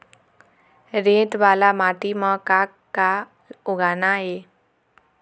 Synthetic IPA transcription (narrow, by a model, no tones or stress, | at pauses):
ɾẽʈ̪ʋalamaʈiməkakkːa | oɡanae